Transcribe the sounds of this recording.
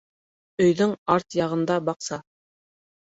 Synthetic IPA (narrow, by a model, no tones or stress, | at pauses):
ɵ̆jðɵŋɑɾt̪jɑʁɤ̆nd̪ɑbɑqsɑ